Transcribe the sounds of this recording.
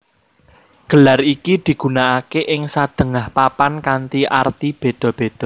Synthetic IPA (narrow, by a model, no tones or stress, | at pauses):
ɡ̥ə̤larikid̪̥i̤ɡ̥ṳnaʔakeʔɪŋsad̪̥ə̤ŋahpapankant̪iʔart̪ib̥e̤d̪̥ɔ̤b̥ed̪̥ɔ